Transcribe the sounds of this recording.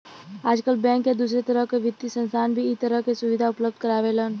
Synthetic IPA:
aːd͡ʒkəlbɛ̃ːŋkjed̪uːs̬ɾet̪əɾəɦkeʋɪt̪ːisə̃nst̪ʰaːnbʱiɪt̪əɾəɦkesʊʋɪd̪ʱaʊpləb̚d̪̚kəɾaːʋelən

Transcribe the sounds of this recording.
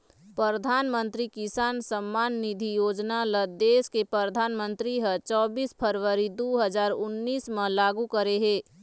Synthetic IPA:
pɾəɾəd̪ʱaːnmə̃nt̪ɾikɪsaːnsəmːaːnːid̪ʱijoːd͡ʒnaləd̪eːskepɾəɾd̪ʱaːnmə̃nt̪ɾiɦət͡ʃɔːbiːspʰəɾʋəɾid̪oɦəd͡ʒaːɾʊnːiːsmelaːɡukəɾeɦeː

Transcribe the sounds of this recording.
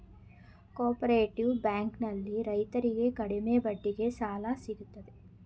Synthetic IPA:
koːɾpɐɾeːʈiʋbaːŋknɐlːiɾɐjt̪ɐɾiɡekɐɽimebɐɖːiɡesaːlasiɡut̪ːɐd̪e

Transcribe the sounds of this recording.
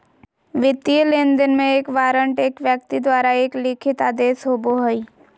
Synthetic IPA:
ʋɪt̪ːiəlend̪ənmẽeːkʋaːɾəɳʈeːkʋjək̚t̪id̪ʋaːɾaeːklɪkʰɪt̪aːd̪eːsɦoːboɦəi

